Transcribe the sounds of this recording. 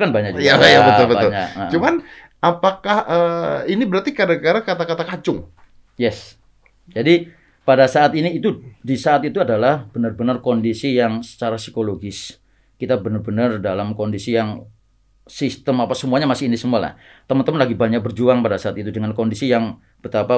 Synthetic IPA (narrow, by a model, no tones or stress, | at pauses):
kanbaɲak̚d͡ʒujɡajabət̪ʊlbətbaʊlɲakət͡ʃuman | apakahəinibəɾart̪ikadakaɾakat̪akat̪akad͡ʒʊŋ | jɛs | d͡ʒadi | padasaːt̪iniːt̪udisaːt̪it̪uadalahb̥ənərbənərkondisijaŋsə̥t͡ʃaɾasikoloɡɪs | kit̪abənərbənərdalamkondisijaŋ | sist̪əmapasəmuaɲamasɪhinisəmuala̰h | t̪əmənt̪əmənlaɡibaɲak̚bərd͡ʒuaŋpadasaːt̪it̪udəŋankondisijaŋ | b̥ət̪apa